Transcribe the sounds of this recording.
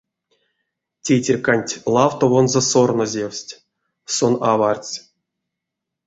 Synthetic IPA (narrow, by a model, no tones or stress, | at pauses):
tʲetʲerʲkanʲtʲlˠɑwt̪ovonzesornozʲewsʲtʲ | sonavart͡sʲ